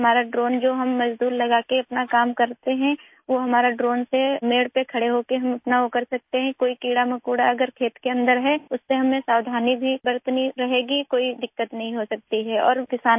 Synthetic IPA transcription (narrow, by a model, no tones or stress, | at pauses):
maːɾaɖɾoːnd͡ʒoːɦɐmːɐd͡ʒd̪uːɾlɐɡaːkeɐpnakaːmkɐɾt̪eɦɛ̃ | ʋoːɦɐmaːɾaɖɾoːnsemeːɽpekʰɐɽeɦokeɦɐmɐpnaokɐɾsɐk̚t̪eɦɛ̃koːikiːɽamɐkuːɽaɐɡəɾkʰeːt̪keɐ̃nd̪əɾɦɛʊsːeɦɐmẽsaːʋd̪ʱaːnibʱibɐɾt̪niɾɐɦeːɡikoːid̪ɪkːət̪nɐɦĩɦosɐk̚t̪iɦɛɔ̰ːɾkɪsaːn